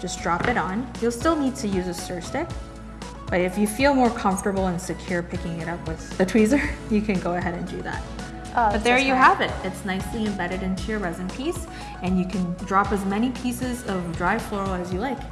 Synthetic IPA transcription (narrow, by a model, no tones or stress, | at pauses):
d̥ʒ̥ʌsd̥ɹɑpɨɾn̩julˠstɪlˠnid̚tʰɨjʉzɨstɜ˞stɪk̚ | b̥ʌɾɨfjɨfilˠmɔɹkʰʌ̃ɱftə˞bl̩ˠə̃nsɨkʰj̥ʊɹpʰɪkɪ̃ŋɨɾʌpwɨððɨtʰw̥izə˞jɨkʰɨ̃nɡoʊɨɦɛɾɨ̃ndʉ̰ðæ̰t̚ | bʌt̪̚ðə˞jɨɦævɨt̚ɨtsnaɪsliɨ̃mbɛɾɨɾɪ̃ntʰʉjə˞ɹɛzɨ̃npʰis | ɨ̃njɨkʰɨ̃ndɹɑpɨzmɛñipʰisɪzʌvdɹaɪflɔɹl̩ˠɨzjɨlaɪk